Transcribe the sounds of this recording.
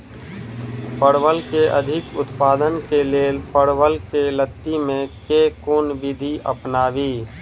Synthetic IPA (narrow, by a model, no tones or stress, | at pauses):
pəɽʋəlkeʔə̰d̪ʱɪkʊt̪paːd̪ənkeleːlpəɽwəlkelət̪ːimẽkekʊnʋɪd̪ʱiə̰pnaːʋiː